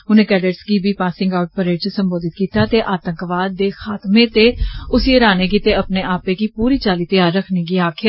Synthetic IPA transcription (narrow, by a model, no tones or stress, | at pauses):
ʊnẽːkɛːɖeʈsɡiːbiːpaːsɪ̃ŋɡaʊʈ̚pəɾeːʈt͡ʃəsəmboːd̪ɪt̪̚kiːt̪aːt̪eːʔaːt̪ə̃ŋkʋaːd̪ːeːxaːt̪mẽːt̪eːʊsieɾaːneːɡiːt̪eːəpneːaːpeːɡiːpuːɾiːt͡ʃaːliːt̪əjaːɾːəkʰniːɡiːaːkʰɪja